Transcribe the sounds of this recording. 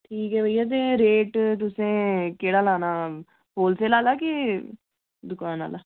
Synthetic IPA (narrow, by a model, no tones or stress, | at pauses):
ʈʰiːkɦɛːbəiːaːt̪̬eːɾeːʈt̪ʊsẽːkeːɽaːlaːnaː | ɦoːlseːlaːlaːke | d̪ʊkaːna̰ːlaː